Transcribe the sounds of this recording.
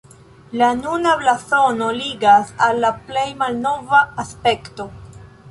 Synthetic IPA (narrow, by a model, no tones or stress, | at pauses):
lanunablaso̞no̞liɡasalːaple̞jmalno̞vaːspe̞kto̞